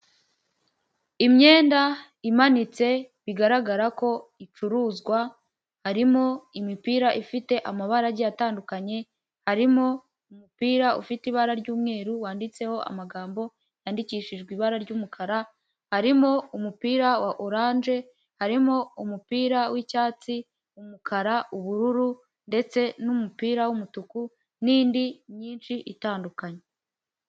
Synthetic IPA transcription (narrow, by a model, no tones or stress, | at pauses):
imɲe̞ːnda | imanit͡se̞βiɡaɾaɡaɾako̞it͡ʃuɾuːzɡwa | haɾimo̞imipiːɾaʔifite̞ʔamaβaɾaɾɟeataːndukaɲe̞ | haɾimo̞ | umupiːɾaṵfitiβaɾaɾɟuːmŋe̞ːɾuwaːndit͡se̞ho̞ʔa̰maɡaːmbo̞ | jaːndiciːʃiʒɡwiːβaɾaɾɟuːmukʰaɾa | haɾimo̞umupiːɾawaʔoɾaːnʒe̞ | haɾimo̞umupiːɾawicaːt͡si | umukʰaɾaʔuβuɾuɾu | nde̞t͡se̞numupiːɾawumutuku | niːndiɲiːnʃiʔitaːndukaɲe